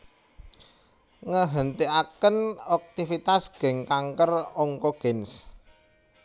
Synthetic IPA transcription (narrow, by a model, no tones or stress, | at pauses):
ŋəɦənt̪iakənɔk̚t̪ifit̪asɡ̥ɛ̤ŋkaŋkərɔŋkɔɡ̥ɛns